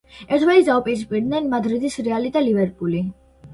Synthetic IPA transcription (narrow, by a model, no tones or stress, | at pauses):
ɛɾt̪ʰvalisd̪aɔpʼɛs̬pʼiɾd̪nɛnmad̪ɾid̪isɾɛalid̪alivɛɾpʼuli